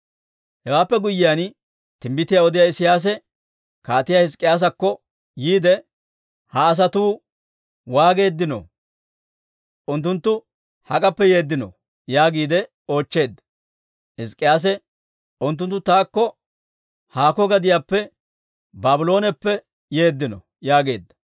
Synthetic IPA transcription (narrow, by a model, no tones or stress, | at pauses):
hɛwaːpːɛɡʊjːɪjan | t̪ɪmbɪt̪ːɪjaɔd̪ɪjaːɪsɪjaːs̬ɛ | kaːt̪ɪjahɪs̬kʼɪjaːs̬ɐkːɔ | jiːd̪ɛ | hɐːs̬ɐt̪uː | waːɡe̞ːd̪ːɪnɔ̰ | ʔʊnt̪ːʊnt̪ːʊ | hɐkʼɐpːɛjeːd̪ːɪnɔ̰ | jaːɡiːd̪ɛ | o̞ːt͡ʃːe̞ːd̪ːɐ̥ | hɪskʼːɪjaːs̬ɛ | ʊnt̪̬ːʊnt̪ːʊt̪aːkːɔ | haːkɔɡɐd̪ɪjaːpːɛ | baːbɪlo̞ːnɛpːɛ | je̞ːd̪ːɪnɔ̰ | jaːɡe̞ːd̪ːɐ̥